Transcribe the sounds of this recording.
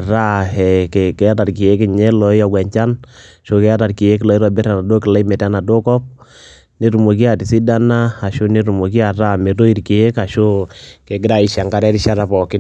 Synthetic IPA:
ɾa˦ɛ˨ke˨kɛ˨˦a˦ta˨ki˨je˦kɪ˨ɲɛ˦lɔ˨i˦a˨ɡwɛ˨ɲt͡ʃa˦n | ʃo˦kɛ˨a˦ta˨ɾki˨e˦k̬lɔ˨˦i˦ɾɔ˨bɪ˦ɾa˨na˨do˦kɪ˨la˦i˦mɛ˨ta˦na˨do˦kɔ˦p̚ | ne˦ɾu˨mo˨k̬i˦a˨tɪ˨si˦da˦na˦a˨ʃo˦ne˦ɾu˨mo˨ki˦a˨ra˦me˨to˦i˦ɾki˨je˦ka˨ʃo˦ke˨ɡɪ˦ɾa˦i˨ʃa˨ŋka˦ɾɛ˦ɾɪ˦ʃa˦ɾa˨pɔ˨kɪ˦n

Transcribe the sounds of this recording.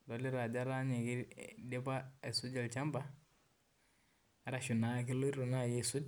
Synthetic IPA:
do˨li˦ɾa˨d͡ʒa˦ɾa˦ɲi˨ki˦ɾde˦ba˦e˨su˦d͡ʒa˨lt͡ʃa˦mba˦ | a˦ɾa˨ʃu˨na˨˦ki˦lo˦ɾu˨na˦˨je˦˨su˦d͡ʒ

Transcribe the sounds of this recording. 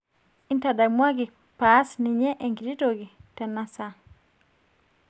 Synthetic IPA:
i˦nta˨da˨mwa˦ɡi˨ | pa˦sni˨ɲɛ˦ʔɛ˨ŋɡi˨ɾi˦to˨ɡi˨tɛ˨na˦sa˦

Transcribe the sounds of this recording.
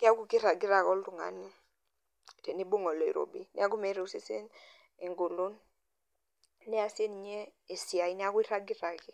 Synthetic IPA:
kɪ˦a˦ku˦ki˦ɾa˨ɡi˦ɾa˨kɔ˦ltu˨ŋa̰˨ni˦ | tɛ˨ni˦bu˦ŋɔ˨lɔ˨ḭ˨ɾo̰˨bi˦ni˦a˦ɡu˦mɛ˨˦ɾɛ˨u˦se˦se˦n | e˨ŋɡo˨lo˦n | ɛ˦a˨se˦ni˨ɲɛː˦˨ | si˨a˨i˦ni˦a˦ku˦i˦ɾa˦ɡi˦ɾa˨ki˦

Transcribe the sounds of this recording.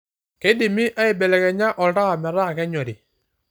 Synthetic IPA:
ke˦di˨mi˦ʔa˦ɪ˨bɛ˨lɛ˨kɛ˨ɲa˦ʔɔ˨lɾa˦˨mɛ˨ɾa˦˨kɛ˦ɲɔ˨ɾi˨

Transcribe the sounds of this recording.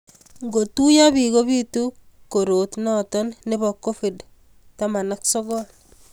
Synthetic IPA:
ŋɡo˨tu˦ja˦bi˨ɡo˦βi˦tu˦ko˨ɾo˨tnɔ˦tɔ˦nne˦βɔ˨kːo˦fi˨d | tama˨na˦ksɔ˦ɡɔl

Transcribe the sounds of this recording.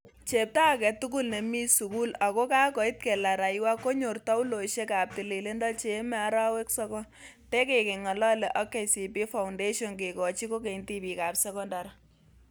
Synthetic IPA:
t͡ʃe˨p̚ta˦˨kɛ˨tu˦k̬u˦lne˨mi˦su˨ku˦la˨kɔ˦ka˦kɔ˨i˦t̚ke˨la˨ɾa˨jwa˦ko˦ɲo˨rtɔ˦u˦lo˨ʃe˦ka˨p̚ti˨li˨le˦ndɔ˦lt͡ʃe˦mɛ˦a˨ɾa˦we˦ksɛ˦kɔ˦n | te˦ke˨ke˨ŋɔ˨lɔ˦le˨ʔɔ˦ke˦si˨pi˦fa˨ʊnde˦ʃo˨nke˨kɔ˨t͡ʃi˦ko˦k̬e˨inti˦pi˨ka˨psɛ˦kɔ˦nda˨ɾa˦

